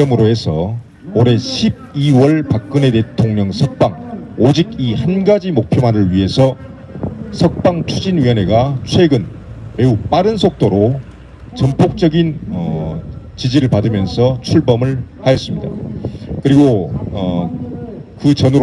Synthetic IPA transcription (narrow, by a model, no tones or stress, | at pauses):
ʌmɯɾoɦe̞sʰʌ | oɾe̞ɕʰib̚iwʌɭpak̚k͈ɯne̞te̞tʰoŋɲʌŋsʰʌk̚p͈aŋod͡ʑiɡihanɡad͡ʑimok̚pʰjomanɯɭɥiɦe̞sʰʌ | sʰʌk̚p͈aŋt͡ɕʰud͡ʑinɥiʌne̞ɡat͡ɕʰwe̞ɡɯn | me̞up͈aɾɯnsʰok̚t͈oɾo | t͡ɕʌmpʰok̚t͡ɕ͈ʌɡinʌ | t͡ɕid͡ʑiɾɯɭpadɯmjʌnsʰʌt͡ɕʰuɭbʌmɯɭhajʌs͈ɯmɲida̰kɯɾiɡoʌ | kɯt͡ɕʌnɯɾ